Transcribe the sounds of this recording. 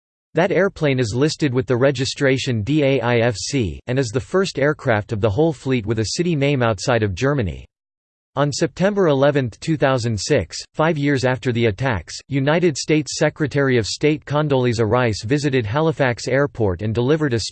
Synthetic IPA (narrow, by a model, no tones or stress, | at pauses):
ðɨɾɛɹpʰl̥ẽɪ̃nɨzlɪstɨd̚wɨðɨɹɛd͡ʒɨstɹ̥eɪʃɨ̃ndieɪʔaɪɛfsḭɨ̃nɨzðɨfɜ˞stɛɹkʰɹ̥æftʌvðəɦoʊlˠflit̚wɨðɨsɪɾinẽɪ̃maʊtsaɪɾʌvd͡ʒɜ˞mɨnḭ | ə̃nsɛp̚tʰɛ̃mbə˞ɪlɛvɨ̃nθtʰʉθaʊzɨ̃ndsɪksfaɪvjɪɹzæftə˞ðiɨtʰæ̰ksjʉnaɪɾɨd̥steɪtsɛkɹɨtʰɛɹiʌv̥steɪt̚kʰɑ̃ndolˠizə˞aɪsvɪzɨɾɨd̚ɦælˠəfæksɛɹpʰɔɹɾɨ̃ndəlɪvə˞ɾɨs